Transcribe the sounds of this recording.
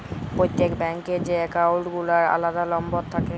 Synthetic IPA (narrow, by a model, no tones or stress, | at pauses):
pɾojt̪ːekbɛŋked͡ʑekawlʈɡulaɾa̰lad̪alɔmbot̪t̪ʰːake